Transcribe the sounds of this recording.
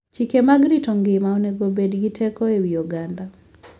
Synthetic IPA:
t͡ʃikemaɡɾitɔŋɡɪmaɔnɛɡobedɡɪtʰɛkɔewijoɡanda

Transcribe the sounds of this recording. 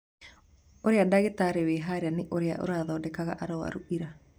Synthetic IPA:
oɾeadaɣetaɾeweɦaɾeanɪʔoɾea̰ʔo̰ɾaðɔːdɛkaɣa̰ʔaɾɔwa̰ɾuʔiɾa

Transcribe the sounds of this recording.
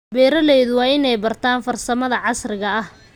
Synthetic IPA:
bɛːɾɐlɛjðʊwɑːɪnɛjbɐrt̪ʰaːnfɐrsɐmɐðɐʕɑsrɪɣɐɐh

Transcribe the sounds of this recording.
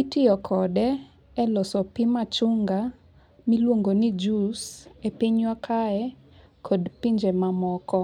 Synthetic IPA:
itɪɔkʰɔdɛ | ɛlɔsɔpɪmat͡ʃʊŋɡa | milwoŋɡonid͡ʒusepiɲwakʰaɛ | kʰodpiɲd͡ʒemamɔkɔ

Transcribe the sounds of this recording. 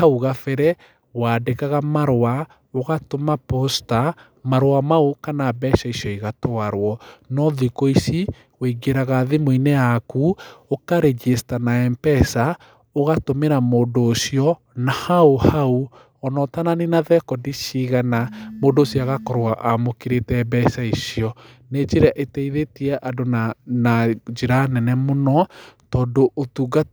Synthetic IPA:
hauɣafɛɾɛ | waːdekaɣamaɾwa | oɣatomaposta | maɾwamaokanaːbɛʃaisjɔiɣatoaɾwɔnɔðikoisi | weɡeɾaɣaðemoinejakuokaɾɛd͡ʒestanaɛmpɛsa | oɣatomeɾamoːndoːsjɔ | nahaohau | ɔnɔtananenaðɛkɔdiʃiɣanamoːndoːsjɔaɣakɔɾoaʔamokiɾetɛbɛsaisjɔ | ned͡ʒeɾeaʔetɛiðetiɛʔadonnad͡ʒeɾanɛnɛmonɔtɔːndoʔːtuːɡa

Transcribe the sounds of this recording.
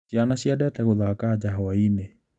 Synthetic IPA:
ianasiadɛtɛɣoðakad͡ʒaɦɔwaine

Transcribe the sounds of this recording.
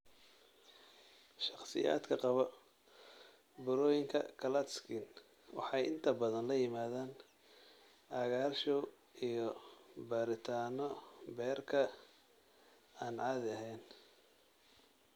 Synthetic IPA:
ʃɑqsɪ̰ja̰ːd̪kʰɐqɑβɔ | bʊɾɔːjɪŋkʰɐ̰kʰɐlɐt̪skʰin | wɑ̰ħɑjʔɪ̰nt̪ʰɐbɐðɐnlɐjɪmaːðaːn | ʔaːɣaːrʃɔw | ijɔbɐɾɪt̪ʰaːnɔbɛːrkʰɐ | aːnʕɑːðɐɦɛjn

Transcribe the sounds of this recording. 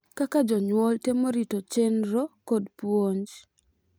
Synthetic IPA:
kakad͡ʒɔɲwɔltemoɾitot͡ʃenɾokodpwoɲd͡ʒ

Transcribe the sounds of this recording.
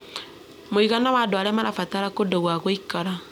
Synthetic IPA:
moiɣanawaːdoaɾɛmaɾafataɾakodoɣwaɣoikaɾa

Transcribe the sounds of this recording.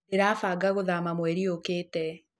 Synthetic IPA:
eɾaːfaɡaɣoðamamwɛɾiokeːtɛ

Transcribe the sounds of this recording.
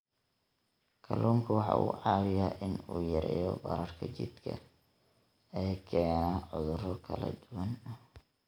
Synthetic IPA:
kʰɐlʔɔːŋkʰʊwɑħɑ̰ːʔṵːʕɑːwɪjaʔɪnuːjɐɾɛ̰ːjɔbɐ̰ɾɐrkʰɐt͡ʃɪ̰d̪kʰɐ | ɛːkʰɛːnnaʕʊðʊrɔkʰɐlɐd̪ʊwɐn

